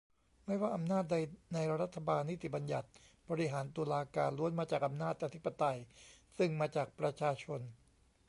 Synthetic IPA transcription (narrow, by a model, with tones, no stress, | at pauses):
ma˥˩jwaː˥˩ʔa˧mnaː˥˩t̪̚da˧jna˧jɾa˦˧ɾa˦˥t̪ʰːa˧baː˧nːi˦˥t̪i˨˩ba˧nja̰˨˩t̪̚bɔː˧ɾi˧˥ɦaː˩˦nt̪u˧əlaː˧ka̰ː˧nlu˧˦ənmaː˧t͡ɕaː˨˩k̚ʔa˧mnaː˥˩t̪̚ʔa˧t̪ʰi˦˥pːa˧t̪a˧jsɯ˥˩ŋmaː˧t͡ɕaː˨˩k̚pɾa˧t͡ɕʰaː˧t͡ɕʰo˧n